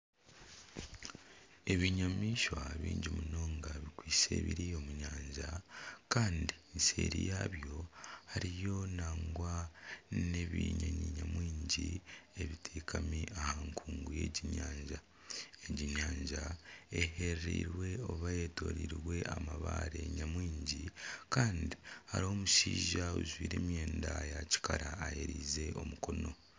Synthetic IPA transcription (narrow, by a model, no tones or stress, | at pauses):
e̞βiɲamiʃwaβḭːɲɟimuno̞ːŋɡaβikwiːse̞̰ːβḭɾijo̞muɲaːɲʒakaːndinsḛɾḭjaːβjo̞haɾijo̞naːŋɡwa | neβḭɲaɲiɲamwiːɲɟieβitʰeːkʰamiʔahaŋkʰuːŋɡuje̞ɟiɲaːɲʒa | eɟiɲaːɲʒaeheɾɾḭɾwe̞o̞βajeto̞̰ɾiɾwe̞ʔamaβaɾeɲamwiːɲɟikaːndiha̰ɾo̞ːmuʃiːʒauzwḭːɾḛːmje̞ːndajaci̥kaɾaːjeɾiːze̞ʔo̞muko̞no̞